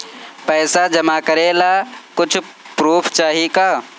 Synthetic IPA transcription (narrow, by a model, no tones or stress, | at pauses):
pɛːsad͡ʒəmakəɾelakʊt͡ʃʰ | pɾuːpʰt͡ʃaːɦika